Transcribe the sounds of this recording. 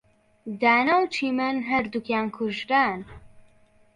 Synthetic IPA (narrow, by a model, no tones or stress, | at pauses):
d̪aːnawt͡ʃʰiːmənɦɐɾd̪ukjaːnkʰʊʒɾaːn